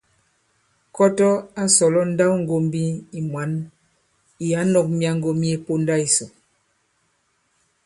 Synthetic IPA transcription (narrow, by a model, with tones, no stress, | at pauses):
kɔ˦tɔ˦a˦sɔ˨lɔ˦n̩˦da˦wŋ˦ɡo˨mbi˦i˨mwa˨˦n | i˨ja˨˦nɔ˨k̚mja˨ŋ˦ɡo˨mje˦po˦nda˦i˨so˨